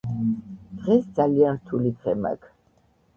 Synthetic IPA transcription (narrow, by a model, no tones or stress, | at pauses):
d̪̥ʁɛsd̪zalianɾt̪ʰulid̪ʁɛma̰kʰ